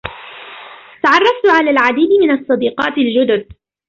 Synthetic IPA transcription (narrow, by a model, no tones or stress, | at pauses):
t̪aʕɑrˤːɑft̪ʊʕalaːlʕad̪iːd̪mɪnɑsˤːɑd̪iːqɑːt̪ɪld͡ʒʊd̪ʊd̪̚